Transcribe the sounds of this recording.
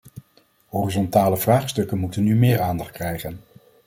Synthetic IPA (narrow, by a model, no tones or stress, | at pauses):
ɦɔrizɔntaːləvraːχstɵkənmutənːymɪːɹaːndɑχtkrɛjχən